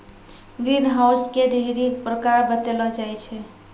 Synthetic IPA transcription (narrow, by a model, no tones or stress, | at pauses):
ɡɾinɦawskeɖʱeiɾikpɾəkaɾbət̪elɔd͡ʒajt͡ʃʰɛ